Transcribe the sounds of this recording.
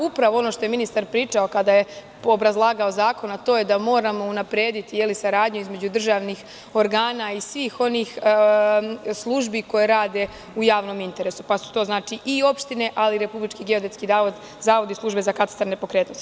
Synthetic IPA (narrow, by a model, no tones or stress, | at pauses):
upɾaʋo̞o̞no̞ʃt̪o̞je̞minist̪aɾpɾiːt͡ʃao̞kad̪aje̞ | obɾazlˠaːɡaozaːko̞nat̪o̞ːje̞d̪amo̞ːɾamo̞unapɾeːd̪it̪ijelisaɾaːd̪ɲuizme̞d͡ʑud̪r̩ʒaʋnix | o̞ɾɡaːnaisʋiːxo̞niːx | slˠuʒbiko̞je̞ɾaːd̪e̞ | ujaːʋno̞mint̪e̞ɾe̞su̥pasu̥t̪o̞ːznaːt͡ʃiʔio̞pʃt̪ine̞ʔaliɾe̞publit͡ʃkiɡeod̪eskid̪aːod̪ | zaːʋo̞d̪islˠuʒbe̞zakat̪ḁst̪aɾne̞pokɾet̪nost̪i